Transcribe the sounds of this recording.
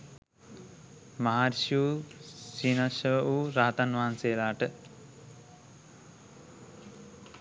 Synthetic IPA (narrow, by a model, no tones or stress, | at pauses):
maɦaːɾʃuːsiːnaʃɐʋuːɾaːt̪anʋaɦanseːlaːʈə